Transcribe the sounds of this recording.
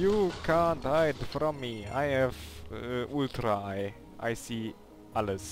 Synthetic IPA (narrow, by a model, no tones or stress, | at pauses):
jukʰãnthajdfɾɔ̃mːia̰jɛvʔultɾaɪ | ʔa̰jsi | ʔaləs